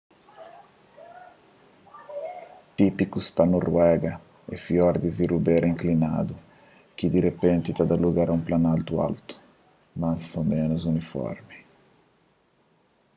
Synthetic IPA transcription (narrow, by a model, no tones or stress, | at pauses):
t̪ipikuspanorwɛɡɐ | ɛ̰fiɔɾd̪izirubeɾĩŋklina̰d̪u | kid̪iɾepẽnt̪it̪ad̪aluɡaɾaũplanalt̪ua̰lt̪u̥ | masomẽnuzunifɔ̰ɾmi